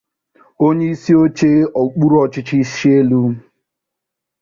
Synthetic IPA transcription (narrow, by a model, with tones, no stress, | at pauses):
o˦ɲe˦i˦si˦o˦t͡ʃe˦ɔ˨k͡pu˦ɾɔ˦t͡ʃɪ˦t͡ʃi˦ʃi˦e˦lu˦